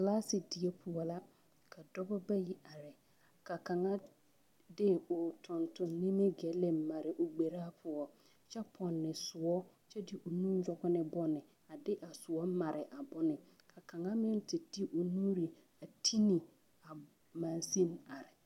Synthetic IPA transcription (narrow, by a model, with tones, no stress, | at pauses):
klaː˦sɪ˨dɪ˨e˦pʰʊ˨ɔ˨la˦ | kʰa˨dɔ˦bɔ˦ba˦ji˦ʔa˨ɾɪ˨ | ka˨ka˨ŋa˦ | dɪ˦ʊ˨tʊ˨ntʊ˨nnːi˦me˦ɡɛ˨˦le˦ma˨ɾɪ˨ʔo˨ɡ͡be˨ɾaː˦pʰʊ˨ɔ˨ | t͡ʃɛ˦pʰɔ˨nːɪ˨sʊ˨ɔ˦ | t͡ʃɛ˦dɪ˦ʔo˨nũ˦jɔ˦ɡʊ˦nɪ˦bɔ˦nɪ˨ | a˨dɪ˦ʔa˨sʊ˨ɔ˦ma˨ɾʔɪ˨ʔa˨bʊ˦nɪ˨ | kʰa˨ka˨ŋa˦mɪ˦n˦tɪ˨di˦ʔo˨nuː˦ɾi˨ | a˨tʰi˦ni˨ | a˨ | ma˨nsi˦ma˨ɾɪ˨